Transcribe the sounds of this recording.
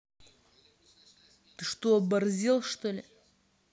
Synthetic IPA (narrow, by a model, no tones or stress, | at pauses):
t̪ɨʂt̪oɐbɐrzʲelˠʂt̪olʲɪ